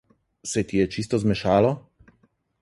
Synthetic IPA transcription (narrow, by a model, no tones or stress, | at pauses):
sɛt̪ʲijɛt͡ʃist̪ɔzmʲɛʃaːlɔ